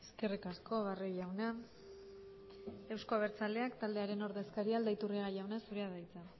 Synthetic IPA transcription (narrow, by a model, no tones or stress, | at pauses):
eskerikasko̞βaroʝawna | e̞wsko̞aβe̞ɾt͡sald̪e̞akt̪ald̪eaɾe̞no̞ɾðe̞skaɾiald̪ait̪uriɣajawnasuɾe̞aðajt͡sa